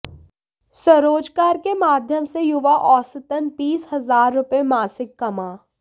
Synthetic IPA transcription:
səɾoːd͡ʒkaːɾkemaːd̪ʱjəmsejʊʋaʔɔːsət̪ənbiːshɐzaːɾːʊpemaːsɪkːɐmaː

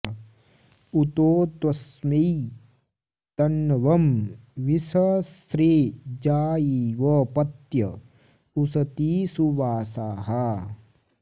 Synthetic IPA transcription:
ut̪oːt̪ʋɐsmi | t̪ɐnːɐʋɐmʋisɐsɾeːd͡ʒaːjiːʋɐpɐt̪jɐ | usɐt̪iːsuʋaːsaːɦɐ

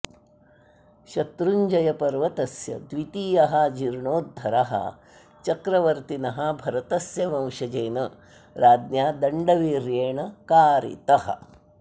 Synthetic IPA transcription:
ʃɐt̪ɾuɲd͡ʒɐjɐpɐɾʋɐt̪ɐsjɐ̰d̪ʋit̪iːjɐɦɐd͡ʒiɾɳoːd̪ʱːɐɾɐɦɐ̰ | t͡ʃɐkɾɐʋɐɾt̪inɐɦɐ̆bʱɐɾɐt̪ɐsjɐmɐ̃wʂɐd͡ʒɐːnɐ | ɾaːd̪njaːd̪ɐɳɖɐʋiːɾjeːɳɐkaːɾḭt̪ɐhɐ̰

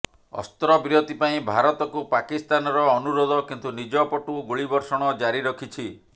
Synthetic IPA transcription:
ɔ̰st̪ɾɔbiɾot̪ipaĩbʱaɾɔt̪ɔkupakist̪anɔɾɔːnuɾɔd̪ɔkint̪unid͡ʒɔpɔʈuɡuɭibɔɾsɔɽ̃ɔd͡ʒaɾiɾɔkʰit͡ʃʰi

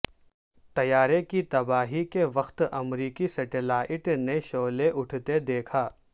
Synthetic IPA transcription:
t̪ɐjaːɾekit̪ɐbaːɦikeʋɐxt̪ɐmɾiːkisɐʈelaːʔɪʈneʃoːleʔʊʈʰt̪ed̪eːkʰaː

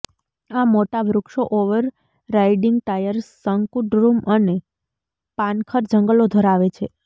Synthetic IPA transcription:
amoʈaʋɾukʃoʔoʋəɾː | aiɖiŋɡ̚t̪ajəɾsəŋkuɖɾuməne | pankʰəɾd͡ʒəŋɡəlod̪ʱəɾaʋet͡ʃʰe

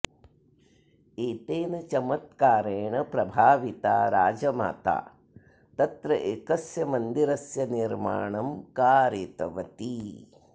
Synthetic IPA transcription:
eːt̪eːnɐt͡ʃɐmɐt̪kaːɾeːɳɐpɾɐbʱaːʋit̪a̰ːɾa̰ːd͡ʒɐma̰ːt̪a̰ː | t̪ɐt̪ɾɐʔeːkɐsjɐmɐnd̪iɾɐsjɐniɾma̰ːɳɐmkaːɾeːt̪ɐ̰ʋɐt̪i

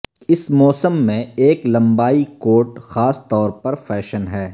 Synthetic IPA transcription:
ɪsmɔːsəmːẽeːklɐ̃mbaːikoːʈxaːst̪ɔːɾpɐɾfɛːʃənɦɛː

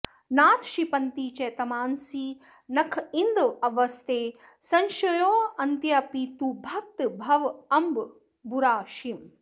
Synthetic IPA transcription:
naːt̪ʰʃipɐnt̪iːt͡ʃɐjt̪ɐmaːnsi | nɐkʰind̪ʋɐʋɐst̪ʰeː | sɐnʃɐjoːɐnt̪jɐpit̪ubʱɐk̚t̪bʱɐʋɐmb | buɾaːʃim

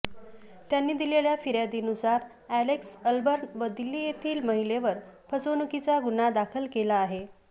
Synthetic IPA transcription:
t̪janːiːd̪ileljafiɾjad̪iːnusaɾ | æleksəlbəɾnʋəd̪ilːiːjet̪ʰiːlməɦileʋəɾpʰət͡sonukit͡saɡunad̪akʰəlkelaːɦe

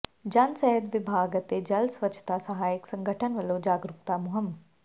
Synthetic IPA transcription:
d͡ʒɐnsɛɦəd̪ʋɪbʱaːɡət̪ed͡ʒɐlsʋɐt͡ʃʰt̪asɐɦaːjəksɐ̃ŋɡʱəʈʰənʋɐlod͡ʒaːɡɾukt̪aːmuɦɐm

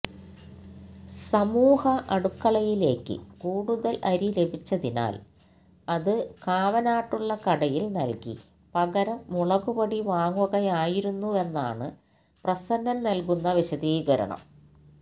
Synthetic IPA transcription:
sɐmuːhɐʔɐɽukːɐɭɐjile̞ːkːɨ̰kuːɽuðɐlʔɐɾile̞bʱit͡ɕːɐðina̰ːl | ɐðɨkaːʋɐnaːʈːuɭːɐkɐɽɐjilnɐlkḭ | pɐɣɐɾɐmuɭɐɣubɐɽiʋaːŋuɣɐjaːjiɾunːue̞nːa̰ːɳɨ | prɐsɐnːɐmnɐlkunːɐʋiɕɐðiːɣɐɾɐ̰ɳɐ̰m

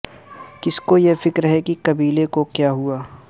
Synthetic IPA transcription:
kɪskojefɪkɾɦɛkikɐbiːlekokjaːɦuaː

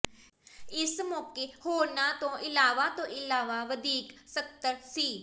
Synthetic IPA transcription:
ɪsmɔːkeːhoːɾnãːt̪õːʔɪlaːʋaːt̪õːʔɪlaːʋaːʋəd̪iːksək̚t̪əɾsiː

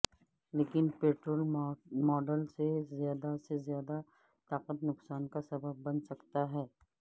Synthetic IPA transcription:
leːkɪnpeːʈɾoːlmɔːɖəlsezjaːd̪asezjaːd̪a | t̪aːqət̪nʊksaːnkasɐbəbːɐnsɐkt̪aɦɛː

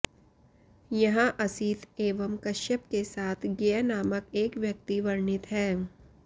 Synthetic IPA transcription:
jɐɦãʔɐsiːt̪eːʋəmkɐʃjəp̚kesaːt̪ʰɡejanaːməkeːkʋjɐk̚t̪iʋɐɾɳɪt̪ɦɛː

